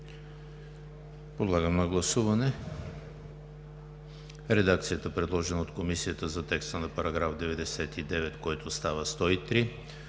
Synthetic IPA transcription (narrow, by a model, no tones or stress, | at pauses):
pod̪lˠaɡəməɡlˠɐsuvɐnɛ | ɾɛd̪ak̚t̪sijət̪əpɾɛd̪lˠɔʒɛnəot̪komisijət̪əzɐt̪ɛkst̪ənɐpɐɾɐɡɾafd̪ɛvɛd̪ɛsɛt̪id̪ɛvɛt̪koɛt̪ost̪avəst̪ɔit̪ɾi